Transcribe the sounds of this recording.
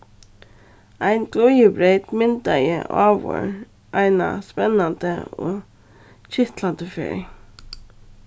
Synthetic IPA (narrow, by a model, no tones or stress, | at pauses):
æɪnɡlɔjəbɾeɪt̪mɪnt̪ajə̰ʔɑːʋɔ̰ɹ | ʔæɪna̰spɛnɑnt̪əo̰ː | çɪht̪lɑnd̪əfḛːɹ